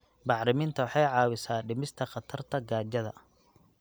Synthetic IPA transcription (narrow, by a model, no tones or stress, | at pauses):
bɑħɾɪmɪnt̪ʰɐwɑħɑjʕɑːwɪsaːɖɪmɪst̪ʰɐχɑt̪ʰɐrt̪ʰɐɡaːt͡ʃɐðɐ̰